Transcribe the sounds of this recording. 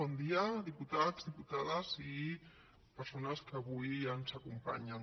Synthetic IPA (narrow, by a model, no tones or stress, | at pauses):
ɔnd̪iəðiput̪adzðiput̪aðəzi | pəɾsonəskəːβujənzakumpa̰ɲən